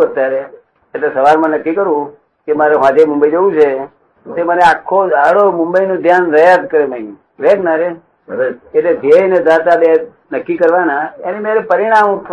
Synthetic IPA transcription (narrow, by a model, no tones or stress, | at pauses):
ət̪jaɾe | etlesəʋaɾmãnəkːikəɾũ | kemaɾeʋ̤ãd͡ʒemʊ̃mbəid͡ʒeʋũt͡ʃʰe | t̪eməneakʰːoaɽomʊmbəinõd̪ʱjanɾəjad̪̚kəɾeməĩ | ɾeɡnaɾe | etled̪eɦned̪at̪abe | nəkːikəɾʋanaenemaɾepəɾiɽ̃amt̪ʰ